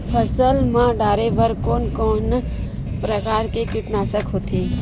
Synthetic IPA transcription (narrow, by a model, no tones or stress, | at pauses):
pʰəsəlmãɖaːɾeʋəɾkoːnkɔːn | pɾəkaːɾkekɪʈnaːsəkɦot̪ʰiː